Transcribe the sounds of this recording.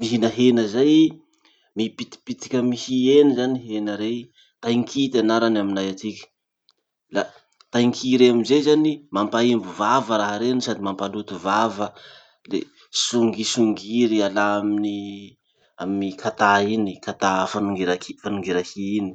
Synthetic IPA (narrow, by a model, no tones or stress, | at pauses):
miɦinaɦenəzaj | miipit̪i̥pit̪i̥kʲəmihienizaniɦenəɾe | t̪ajŋkʰit̪anaɾanaminajat͡s̪ikʲə̥ | la | t̪ajŋkʰiɾeaminzezanimampaimbuvavəɾaɦəɾenisad̪imampalut̪uvavə | lḛ | suŋɡisuŋɡiɾialaamini | aminikʰat̪ainikat̪afanuŋɡiɾakifanuŋɡiɾahiini̥